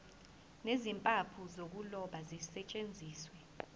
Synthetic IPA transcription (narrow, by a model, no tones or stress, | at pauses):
nezimpʼapʰuzok̬ulɔɓazisɛt͡ʃʼend͡zʱiːswɛ